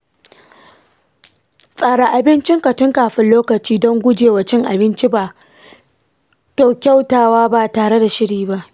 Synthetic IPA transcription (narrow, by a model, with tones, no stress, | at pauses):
sʼaː˨ɽa˨ʔa˨bɪ˦nt͡ʃɪ˦ŋkɐ˨tɪ˦ŋkaː˨ɸɪ˦nloː˦kɐ˨t͡ʃiː˦dɔ˦ŋɡʷʊ˦d͡ʒeː˨wa˨t͡ʃɪ˦ŋʔa˨bɪ˦nt͡ʃi˦baː˨ | kʲa˦˨wkʲa˦wtaː˨waː˦ba˦˨taː˨ɽe˦da˨ʃɪ˦ɽiː˨ba˦˨ʔ